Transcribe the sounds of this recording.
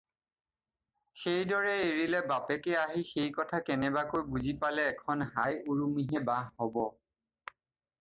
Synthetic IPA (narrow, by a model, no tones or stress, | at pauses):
xejdɔɹɛeɹilɛbapɛkɛaɦixejkɔtʰakɛnɛbakojbuzipalɛːkʰɔnɦajuɹumiɦɛbaɦːɔbɔ